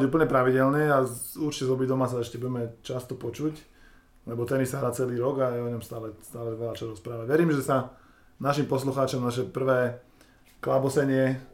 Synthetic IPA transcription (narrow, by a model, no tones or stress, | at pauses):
ɟuːp̬l̩ɲɛpɾaʋiɟɛlnɛauɾt͡ʃi̥cɛzɔbiɟd̪ɔmaːsaɛʃcɛbuɟɛmɛt͡ʃast̪ɔpɔt͡ʃuc | lɛbɔt̪ɛnisaɦɾaːt͡sɛliːɾɔɡajɛɔɲɔmst̪aːlɛst̪aːlɛʋɛʎat͡ʃaɾɔspɾaːʋaʋɛɾiːmʒɛsa | naʃimpɔsluxaːt͡ʃɔmnaʃɛpr̩ʋɛː | klabɔsɛɲɪɛ